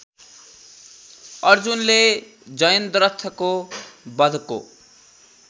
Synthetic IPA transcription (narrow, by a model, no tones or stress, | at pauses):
ʌrd͡zunle | d͡zʌjʌnd̪ɾʌt̪ʰːʌkobʌd̪ʱko̰